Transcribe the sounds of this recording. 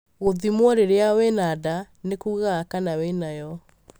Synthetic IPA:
ɣoðimwɔɾeɾeawɛnada | nekuɣakanawenajɔ

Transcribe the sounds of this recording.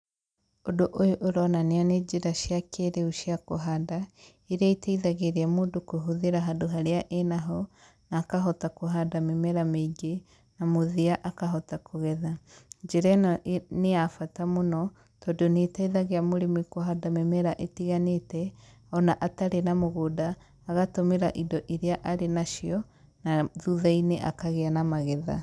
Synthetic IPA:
odoʔojoʔoɾɔnaneaned͡ʒiɾaʃjakeɾeuʃiakoɦada | eɾaitaiðaɣeɾeamoːdokoɦuðeɾaɦadoɦaɾeaʔenaɦɔ | naːkaɦɔtakoɦadamemɛɾameiɡe | namoðiaʔakaɦɔtakʰoɣɛðad͡ʒeɾɛneafatamonɔ | tɔdonetaiðaɣeamoɾemikoɦadamɛmɛɾaʔetiɣanetɛ | ɔnaʔataɾenamoɣoːdaː | ɣatomeɾaʔidɔʔiɾeaʔaɾenaʃiɔ | naðuðaineʔa̰kaɣeanamaɣɛða̰

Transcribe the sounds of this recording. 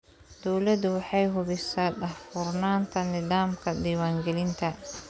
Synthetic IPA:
d̪̥ɔwlɐd̪ʊwɑħɑjɦʊβɪsaːɗɐhfuːrnaːnt̪ʰɐnɪðaːmkʰɐd̪iːwaːŋɡɛlɪnt̪ʰɐ

